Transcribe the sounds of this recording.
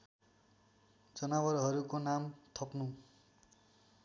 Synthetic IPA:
d͡zʌnawʌɾɦʌɾukonamt̪ʰʌpnu

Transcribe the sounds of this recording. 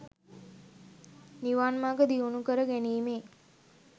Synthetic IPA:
niʋaːnmaːɡəd̪iunukəɾəɡæniːmeː

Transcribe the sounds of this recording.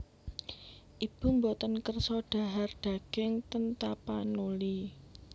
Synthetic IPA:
ʔib̥ṳmbɔt̪ənkərsɔɖ̥a̤ɦard̥ä̤ɡ̥ɪŋt̪ənt̪apanuli

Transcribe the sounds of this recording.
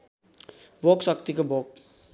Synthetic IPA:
boksʌkt̪ikobok

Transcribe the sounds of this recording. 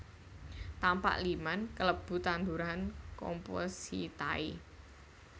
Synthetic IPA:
t̪ampa̰ʔlimankələb̥ṳt̪and̪uɾankɔ̰mpɔ̰sḭt̪a̰i

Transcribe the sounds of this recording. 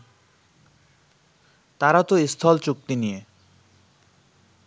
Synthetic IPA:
t̪aɾat̪oist̪ʰɔlt͡ɕuk̚t̪inije

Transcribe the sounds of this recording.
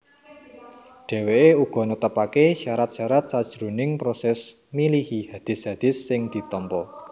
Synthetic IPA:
ɖ̥ɛ̤weʔeuɡ̥ɔ̤nut̪əpakeʃaɾat̪̚ʃaɾat̪̚sad̥ʒ̥ɾunɪŋpɾosɛs | milihihad̪̥ɪ̤shad̪̥ɪ̤sːɪŋd̪̥i̤t̪ɔmpɔ

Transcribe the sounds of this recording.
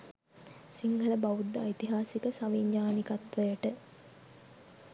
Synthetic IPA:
siŋɡʱələbɐʋud̪ːa̰it̪iɦaːsikəsaʋiɲːaːnikat̪ʋəjəʈə

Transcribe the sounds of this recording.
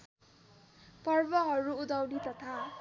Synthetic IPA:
pʌrbʌɦʌɾuud̪awnit̪ʌt̪ʰa

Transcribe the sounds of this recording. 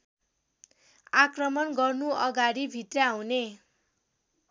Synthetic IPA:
akrʌmʌnɡʌrnuʌɡaɽibʱit̪rjaːw̃ne

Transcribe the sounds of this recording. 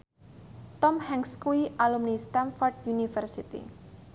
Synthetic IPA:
t̪ɔmhɛŋskuiʔalumnist̪anfɔrd̚junifərsit̪ḭ

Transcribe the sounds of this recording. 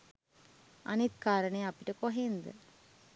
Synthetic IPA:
ɐ̰nit̪kaːɾəɳejɐpiʈəkoɦend̪ə̰

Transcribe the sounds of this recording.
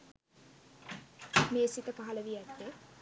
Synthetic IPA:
meːsit̪əpaɦɐləʋiæt̪ːe

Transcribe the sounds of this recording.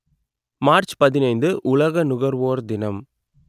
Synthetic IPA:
maːɾt͡ʃpɐðɪnɐɪnd̪ɯʔʊlɐɣɐnʊɣɐɾʋoːɾd̪ɪnɐm

